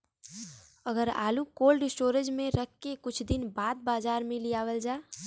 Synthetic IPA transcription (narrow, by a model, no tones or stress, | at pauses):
əɡəɾa̰ːlukoːlɖɪsʈoːɾəd͡ʒmẽɾək̚ʰkekʊt͡ʃʰd̪ɪnbaːd̪̚baːzaːɾmẽlijaːʋəld͡ʒaː